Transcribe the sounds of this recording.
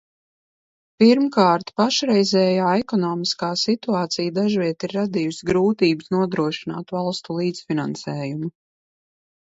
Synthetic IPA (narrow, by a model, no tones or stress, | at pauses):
piɾmkaːɾt̪paʃɾɛjzɛːjaːɛkɔnɔːmiskaːsit̪uaːt̪sijd̪aʒvʲiɛt̪iɾːad̪ijusɡɾuːt̪iːbɨsnuɔd̪ɾuɔʃina̰ːt̪valˠst̪ulˠiːt̪sfina̰nsɛːjumu